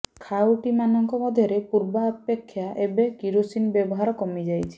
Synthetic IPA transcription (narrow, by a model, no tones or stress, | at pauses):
kʰawuʈimanɔŋkɔmɔd̪ʱjɔɾepuɾbaːpekʰːjaʔebekiɾusinbjɔbɔɦaɾɔkɔmid͡ʒajtʰi̥